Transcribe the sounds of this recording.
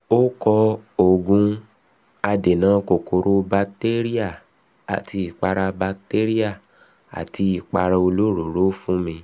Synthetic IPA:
o˦kɔ˧o˨ɡũ˧˦ | a˧de˨nãː˨˦ko˨kʰo˨ɾo˧˦ba˧te˦ɾi˦a˦˨ | a̰˨tʰi˧i˨k͡pa˧ɾa˧ba˧te˦ɾi˦a˦˨ | a̰˨ti˧˦i˨k͡pa˧ɾa˧o˧lo˦ɾo˨ɾo˦fũ˦mĩ˧

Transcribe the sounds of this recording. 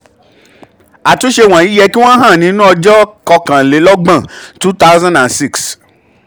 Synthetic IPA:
a˨to˨˦ʃe˧w̃ã˨i˨˦jɛ˧ki˦w̃ɔ̃˦ɦã˦˨nĩ˨˧˦nũ˦ɔ˧d͡ʒɔ˦kɔ˧kã˨le˨˦lɔ˦ɡ͡bã˦˨tu˦ta˦ʊ˦zã˦ndã˨nsi˦˨ks

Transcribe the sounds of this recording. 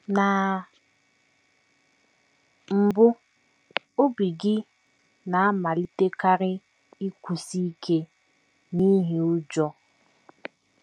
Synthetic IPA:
na˨ | m̩˨bʊ˦ | o˦bi˨ɡɪ˦ | na˨a˦ma˨li˦te˦ka˦ɾɪ˦ | i˦kʷu˨si˦kʰe˦ | ni˦ɦi˦ʊ˦d͡ʒɔ˦

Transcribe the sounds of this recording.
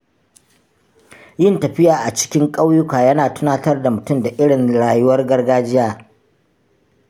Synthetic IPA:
jɪ˦ntɐ˨ɸɪ˦jaː˨ʔa˨t͡ʃɪ̥˦kʲɪ˦ŋkʼa˦wjʊ˦kaː˨jɐ˦naː˨tʊ˦naː˦tɐ˦rda˨mʊ˨tʊ˦mda˨ʔɪ˦ɽɪ˨ŋɽaː˨jʊ˦wɐ˦rɡɐ˦rɡaː˦d͡ʒɪ˦jaː˦˨

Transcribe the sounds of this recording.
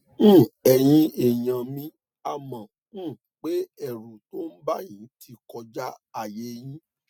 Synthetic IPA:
ɛ˨j̃ĩ˦e˨j̃ã˨mĩ˧ | a˧mã˨˦˨ | k͡pe˦ɛ˦˨ɾo˨to˦n̩˦ba˦jĩ˨˦tʰi˧kɔ˧d͡ʒa˦a˦˨je˨˦j̃ĩ˦

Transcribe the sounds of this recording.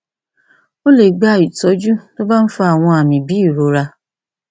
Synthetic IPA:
o˦le˨ɡ͡ba˧˨i˨tɔ˨˦d͡ʒu˦to˦ba˦n̩˦fɔ˧a˨w̃ɔ̃˧a˨mĩ˨bi˨˦i˦˨ɾo˨˦ɾa˧

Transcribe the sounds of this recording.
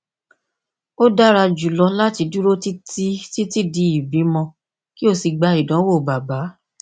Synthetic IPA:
o˦da˦ɾa˧d͡ʒu˨lɔ˧la˦ti˧du˦ɾo˦ti˦ti˦ti˦ti˦˨di˧˦i˨bi˨˦mɔ̃˧ | ki˦o˦˧˨si˧ɡ͡ba˧i˨dã˨˦wo˦˨ba˨ba˨˦

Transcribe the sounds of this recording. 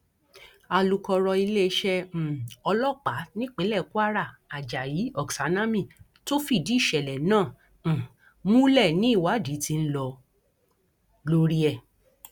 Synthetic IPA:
a˧lu˧kɔ˧ɾɔ˧i˧le˦ʃɛ̃˧˨ɔ˧lɔ˦˨k͡pa˨˦nĩ˦k͡pĩ˨˦lɛ˦˨ku˦a˦ɾa˦˨a˨d͡ʒa˨ji˨˦ɔ˨ksa˨˦nã˦mĩ˦˨ | to˦fi˦˨di˨˦i˦˨ʃɛ˨lɛ˨nãː˦˨ | mũ˦lɛ˦˨nĩ˦i˦˨wa˨˦di˨˦ti˧n̩˦lɔ˧ | lo˧ɾi˦ɛ˧˨

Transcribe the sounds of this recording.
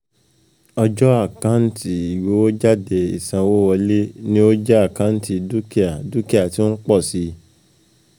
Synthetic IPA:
ɔ˧d͡ʒɔ˦a˦˨kã˨˦n̩˦ti˦i˨wo˨˦o˦d͡ʒa˦˨de˨ḭ˨sã˨wo˦wɔ˧le˦nĩ˦o˦d͡ʒɛ˦a˦˨kã˨˦n̩˦ti˧du˦ki˦a˨du˦ki˦a˨ti˦o˦k͡pɔ˦˨si˨˦

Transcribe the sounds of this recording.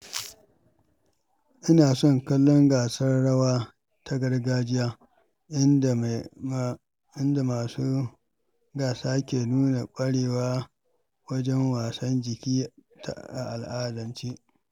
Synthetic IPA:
ʔɪ˦naː˨sɔ˦ŋkɐ˦lːɔ˦ŋɡaː˨sɐ˦rɽɐ˦waː˦ | tʰa˦ɡɐ˦ɽɡaː˦d͡ʒɪ˦jaː˦ | ɪ˦˨ | ɪ˦nda˨a˨su˦ | ɡaː˨saː˦kʲeː˨nuː˦na˨kʷʼɐ˦ɽeː˨waː˦ | wɐ˦d͡ʒɛ˦ŋwaː˨sɐ˦nd͡ʒɪ˨kʲiː˦ | ta˦ʔa˨ʔa˨lʔaː˦dɐ˨nt͡ʃeː˦ʔ

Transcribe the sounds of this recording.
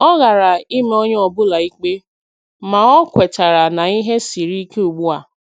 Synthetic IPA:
ɔ˦ɣa˨ɾa˨i˦me˦o˦ɲe˦ɔ˨bʊ˦la˨i˦k͡pe˦ | ma˨ɔ˦kʷe˨ta˨ɾa˨na˨i˦ɦe˦si˨ɾi˦ke˦u˨ɡ͡bu˦a˨

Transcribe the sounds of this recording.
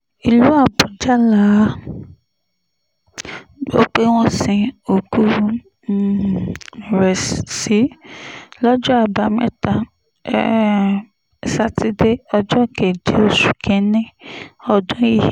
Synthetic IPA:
i˨lu˨˦a˦˨bɔ˨d͡ʒa˦la˨˦ | o̰˦k͡pe˦w̃ɔ̃˦sĩ˨o˨ɡu˦ | ɾɛ˨ssi˨˦ | lɔ˦d͡ʒɔ˦a˦˨ba˨mɛ̃˦ta˨ | ɛ̰˦˨ | sa˦ti˧˦de˦ɔ˧d͡ʒɔ˦˨ke˨d͡ʒe˨˦o˦˨su˨kʰɛ̃˨˦nĩ˦ɔ˧dɔ̃˦i˦˨

